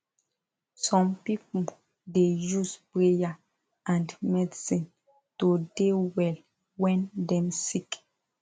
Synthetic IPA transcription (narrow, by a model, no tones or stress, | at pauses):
sɔ̃mpipul | dejusbɹeja | ãndmɛdisĩn | todewɛl | wɛ̃ndɛ̃msik